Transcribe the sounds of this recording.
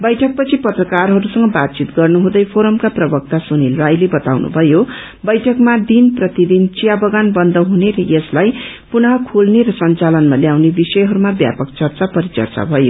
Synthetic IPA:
bʌjʈʰʌk̚pʌt͡sʰipʌt̪rʌkarɦʌɾusʌŋɡʌbat̪̚t͡sit̪ɡʌrnuɦũd̪ʌjpʰoɾʌmkaprʌbʌk̚t̪asunerajlebʌt̪awnṵbʱʌjo | bʌjʈʰʌkmad̪inprʌt̪id̪int͡sijabʌɡanbʌnd̪ʌɦuneɾʌjeslaj | punʌɦʌkʰolneɾʌsʌnt͡salʌnmaljawnebisʌjɦʌɾumabja̰pʌkt͡sʌrt͡sapʌɾit͡sʌ̰rt͡sa̰bʱʌjo̰

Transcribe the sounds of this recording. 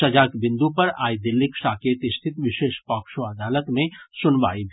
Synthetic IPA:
ɐd͡ʒaːkbɪ̃nd̪upɐɾa̰ːid̪ɪlːɪkʃaːkeːt̪ɪst̪ʰɪt̪ʋɪʃeːʃpɔkʃoɐd̪aːlət̪mẽsʊnʋa̰ːibʱ

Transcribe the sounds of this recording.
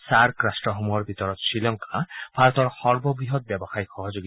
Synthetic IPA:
saɾkɾasʈɾɔɦomuɔɾbʱit̪ɔɾɔt̪silɔŋkab̥ʱaɾɔt̪ɔɾhɔɾbɔbɾiɦɔt̪̚bjɛbɔxajxɔɦɔd͡ʒoɡi

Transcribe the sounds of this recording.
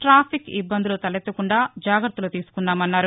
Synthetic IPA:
ʈɾaːpʰikḭbːɐnd̪ulut̪ɐlet̪ːɐkuɳɖaːd͡ʒaːɡɾɐt̪ːulut̪iːsu̥kunːaːmɐnːaːɾu

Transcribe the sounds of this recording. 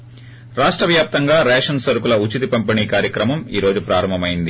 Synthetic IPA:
ɾaːʂʈɾɐʋjaːp̚t̪ɐŋɡaːɾɛːʂɐnsɐɾukulɐut͡ʃit̪ipɐmpiɳiːkaːɾjɐkɾɐmɐmḭːɾo̞ːd͡ʒupɾaːɾɐmbʱɐmɐjind̪i

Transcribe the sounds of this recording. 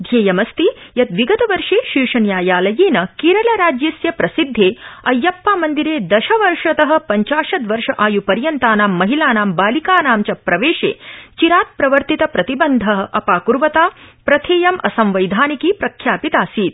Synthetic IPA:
d̪ʱjeːjɐmɐst̪ijɐt̪ʋiɡɐt̪ɐʋɐɾʂeːʃiːʂɐnjaːjaːlɐjeːnɐkiɾɐlɐɾaːd͡ʒjɐsjɐpɾɐsid̪ʱːeːɐjːɐpːaːmɐnd̪iɾeːd̪ɐʃɐʋɐɾʂɐt̪ɐɦɐ̆pɐɲt͡ʃaːʃɐt̪ʋɐɾʂɐʔaːjupɐɾjɐnt̪aːnaːmːɐɦilaːnaːmbaːlikaːnaːmt͡ʃɐpɾɐʋeːʂḛːt͡ʃiɾaːt̪̚pɾɐʋɐɾt̪it̪ɐpɾɐt̪ibɐnd̪ʱɐɦɐ̆ʔɐpaːkuɾʋɐt̪aːpɾɐt̪ʰeːjɐmɐ̰sɐmʋɐjd̪ʱaːnikiːpɾɐkʰjaːpit̪aːsiːt̪̚

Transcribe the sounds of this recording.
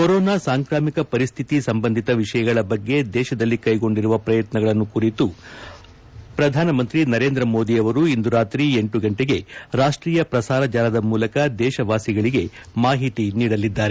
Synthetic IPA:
koɾoːnaːsaːŋkɾaːmikɐpɐɾist̪ʰit̪isɐmbɐnd̪ʱit̪ɐʋiʂɐjɐɡɐɭɐbɐɡːe̞d̪ɛːʃɐd̪ɐlːikɐjɡo̞ɳɖiɾuʋɐpɾɐjɐt̪nɐɡɐɭɐnːukuɾit̪u | pɾɐd̪ʱaːnɐmɐnt̪ɾinɐɾeːnd̪ɾɐmo̞ːd̪iɐʋɐɾuind̪uɾaːt̪ɾieɳʈuɡɐɳʈeɡe̞ɾaːʂʈɾiːjɐpɾɐsaːɾɐd͡ʒaːlɐd̪ɐmuːlɐkɐd̪ɛːʃɐʋaːsiɡɐɭiɡe̞ | maːɦit̪iniːɽɐlːid̪ːaːɾe

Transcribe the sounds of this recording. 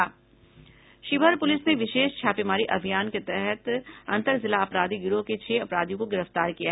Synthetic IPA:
aː | ʃɪbʱəɾpʊlɪsneʋɪʃeːʃt͡ʃʰaːpimaːɾiʔɐbʱijaːnket̪ɛɦɛt̪ɐ̃nt̪əɾzɪlaɐpɾaːd̪iɡʊɾoket͡ʃʰeːɐpɾaːd̪ijõkoɡɪɾəft̪aːɾkija

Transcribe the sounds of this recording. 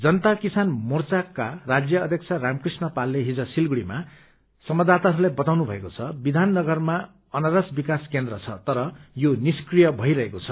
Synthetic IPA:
d͡zʌnʌt̪akisanmort͡sakːarad͡zjʌːd̪ʱjʌkt͡sʰaramkrisnʌpalːeɦid͡zʌsilɡuɽima | sʌmʌd̪at̪aɾulajbʌt̪awnubʱʌekot͡sʰʌbid̪ʱanːʌɡʌrma | ʌnaɾʌsbikaskend̪rʌt͡sʰʌt̪ʌɾʌjoniskrijʌbʱʌiɾʌɦekot͡sʰʌ̥

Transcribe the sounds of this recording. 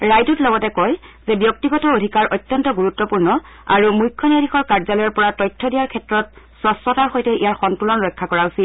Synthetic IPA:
ɹajtutlɔɡɔtɛkɔjz̥ɛbjɔk̚tiɡɔtɔodʱikaɹʔɔjtːjɔntɔɡuɹutːɔpuɹnɔ | a̰ɹumujkʰːɔniaɾʱixɔɹkaɹzalɔjɔɹpɔɹatɔjtʰːɔdijaɹkʰɛtɹɔt̚sɔspɔtaɹxɔjtɛijaɹxɔntulɔnɹɔjkʰːakɔɹaʊsil

